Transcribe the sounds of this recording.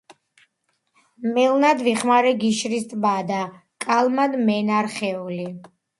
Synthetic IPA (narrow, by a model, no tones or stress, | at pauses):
mɛlnad̪viχmaɾɛɡiʃɾist̪ʼbad̪a | kʼalˠmad̪mɛnaɾχɛuli